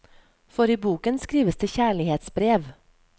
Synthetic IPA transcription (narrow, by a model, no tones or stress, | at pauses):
fɔɾiːbuːkənskɾiːʋəsd̪eːçæːɭɪheːt̪sbɾeːʋ